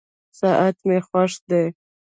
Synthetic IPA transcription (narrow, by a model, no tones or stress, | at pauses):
saʔat̪mexwaʂd̪e